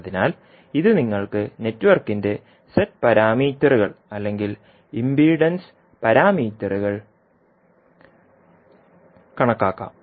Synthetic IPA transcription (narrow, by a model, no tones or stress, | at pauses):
ðinaːl | iðɨniŋːɐɭkɨne̞tːʋɐrkːinde̞ | setpɐɾaːmiːtːɐruɣɐɭɐlːe̞ŋɡil | imbiːɖɐns | pɐɾaːmiːtːɐruɣɐɭ | kɐɳɐkːaːkːa̰ːm